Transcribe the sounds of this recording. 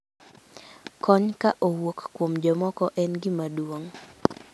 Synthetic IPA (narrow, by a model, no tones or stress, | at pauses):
kɔɲkaʔowokkwomd͡ʒɔmɔkɔʔɛnɡɪmadwoŋ